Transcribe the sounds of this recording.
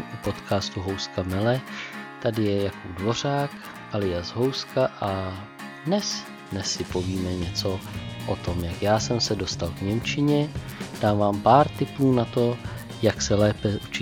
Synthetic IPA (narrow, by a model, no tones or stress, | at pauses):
ʔupo̞t̪kaːst̪uɦo̞wskamɛlɛt̪adɪjɛjakodvo̞r̝aːk | ʔalɪjazɦo̞wskaʔa | dnɛs | dnɛsɪpo̞viːmɛɲɛt͡so̞ʔot̪o̞mjakjaːsɛmsɛdo̞st̪alvɲɛmt͡ʃɪɲɛd̥aːmvaːmpaːɾt̪ɪpuːnat̪o̞ | jaksɛlɛːpɛut͡ʃɪ